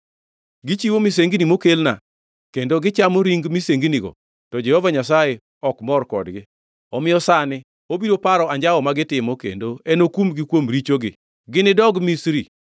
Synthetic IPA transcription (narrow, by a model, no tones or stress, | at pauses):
ɡɪt͡ʃiwomis̬eŋɡinimokelna̰ | kendoɡɪt͡ʃamoɾiŋɡmiseŋɡiniɡɔ̰ | tɔd͡ʒɛhɔvaɲasaje | ɔkmɔrkɔ̰dɡɪ | ɔmɪjɔsanɪ | obidopaɾɔaɲd͡ʒawɔmaɡɪtɪmokḛndoɛnokumɡɪkwomɾit͡ʃoɡɪ̰ | ɡɪnɪdɔɡmisɾi